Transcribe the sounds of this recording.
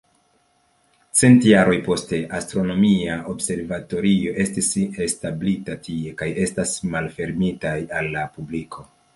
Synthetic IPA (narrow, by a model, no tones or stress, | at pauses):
t͡se̞ntjaɾo̞jpo̞ste̞ʔastɾo̞no̞miao̞bse̞ɾvato̞ɾio̞ʔe̞stisestablitatie̞kaje̞stasmalfe̞ɾmitajalːapublikʰo̞